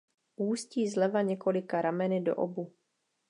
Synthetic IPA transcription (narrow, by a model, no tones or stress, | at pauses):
ʔuːsciːzlɛvaɲɛko̞lɪkaɾamɛnɪdo̞̰ʔobu